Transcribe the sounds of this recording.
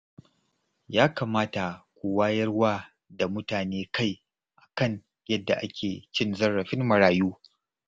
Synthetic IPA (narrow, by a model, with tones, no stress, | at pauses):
jaː˦kaː˨maː˦ta˨kʷu˨waː˦jɐ˦rwaː˦ | da˨mʊ˦taː˨neː˦ka˦˨j | ʔa˨kɐ˦ɲ | jɐ˦dːa˨ʔa˦kʲʰeː˨t͡ʃɪ˦nzɐ˦rːɐ˨ɸɪ˦nmɐ˨ɽaː˨juː˦